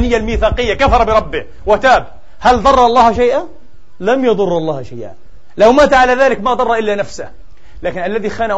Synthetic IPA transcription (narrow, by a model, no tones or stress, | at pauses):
nɪjːalmiːθaːqɪjːakafɑɾˤɑbɪɾˤɑbːɪh | wɪt̪aːb | hald̪ˤɑrˤːɑɑlˤːɑːhʃajʔa | lamjɑðˤʊrːɑlˤːɑːhʃajʔa̰ | lawmaːt̪ʕalaðaːlɪkmaʔd̪ˤɑrˤːɑʔɪlːanafsah | laːkɪnʔalːaðixaːna